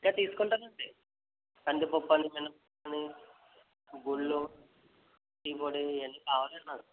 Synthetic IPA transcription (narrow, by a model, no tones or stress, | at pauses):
kat̪iːsu̥kɔɳʈaːɾɐɳʈe | kɐɳɖipɔpːɐnimenɐpɔɐni | ɡuɭːu | tiːpoːɽienːikaːʋaːlɐnːaɾu